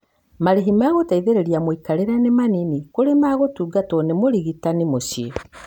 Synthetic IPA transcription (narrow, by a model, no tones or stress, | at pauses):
maɾeɦimaɣotaiðeɾeɾjamwikaɾeɾanemaninikoɾemaːɣotuːɡatɔnemoɾiɣitanimosje